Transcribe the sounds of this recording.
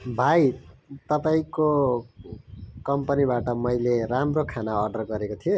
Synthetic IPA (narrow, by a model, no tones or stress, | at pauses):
bʱajt̪ʌpaĩko | kʌmpʌnibaʈʌmʌjleramrokʰanaʌrɖʌrɡʌɾekot̪ʰijo